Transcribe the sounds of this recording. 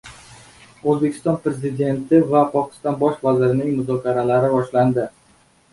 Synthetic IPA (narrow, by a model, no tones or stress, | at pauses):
ozbe̞kʲʰɪ̥st̪ɒnpɾe̞zɪd̪e̞nt̪ʰɪvapʰɒkʲʰɪ̥st̪ɒnbɒʃvazɪɾɪnɪŋmʊzɒkʲʰaɾalaɾɪbɒʃland̪ɪ